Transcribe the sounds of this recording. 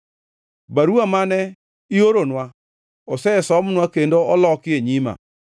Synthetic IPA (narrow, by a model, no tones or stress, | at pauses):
baɾuamanɛ | ioɾonwa | osɛsɔmʊnwakendoolɔkɪeɲima̰